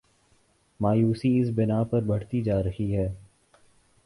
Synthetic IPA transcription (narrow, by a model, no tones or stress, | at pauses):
maːjuːsiɪs̬bɪnaːpɐɾbɐɽ̤t̪id͡ʒaːɾɐhiɦɛː